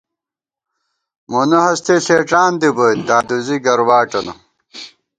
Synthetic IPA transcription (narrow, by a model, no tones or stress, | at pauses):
monɐɦɐst̪ʰeɬeːʈ͡ʂaːnd̪ibot̪d̪aːd̪uziɡɐɾwaːʈɐnɐ